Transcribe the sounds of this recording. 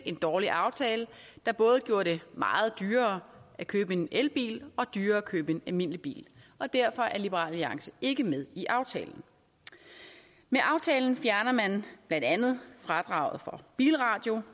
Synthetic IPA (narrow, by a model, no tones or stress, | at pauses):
ʔe̝nd̥ɒːliʔɑ̈ʊt͡sʰɛːləd̥ɑ̈b̥ɔ̽ːð̞̩ˠɡ̥jo̝ːɐɾ̥e̝mɑ̈ːð̞̩ˠd̥yːɐːækʰøːb̥əe̝nelb̥ḭːlɒ̽d̥yːɐːkʰøːb̥e̝nælme̝n̰lib̥ḭːlʔɒ̽d̥æɐfɒ̽ʔæɐlib̥əʁɑ̰̈ːlːiɑ̈ŋsəe̝ɡ̥əmeð̞ˠiʔɑ̈ʊt͡sʰɛ̰ːln̩ | meʔɑ̈ʊt͡sʰɛːln̩fjæɐnɐmænb̥lænd̥ænð̩ˠfʁɑ̈d̥ʁɑ̈ʊ̰ð̩ˠfɒ̽b̥ḭːlʁɑ̈ːd̥jo̝